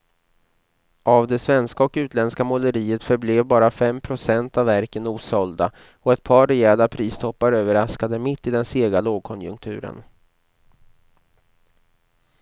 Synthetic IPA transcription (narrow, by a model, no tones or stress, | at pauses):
ʔavd̪ɛsvɛnskaɔkʉ̟ːt̪lɛnskamɔləɾiːət̪fœɾbleːvbɑːɾafɛmpʰɾʊsɛnt̪avːæɾkənuːsɔld̪a | ɔɛt̪̚pʰɑːɾɛɛːlapʰɾiːst̪ʰɔpːaɾøːvəɾaskad̪əmɪt̪ːɪd̪ɛnseːɡaloːɡ̚kʰɔnjɵ̰ŋkt̪ʰʉ̟̰ːɾə̰n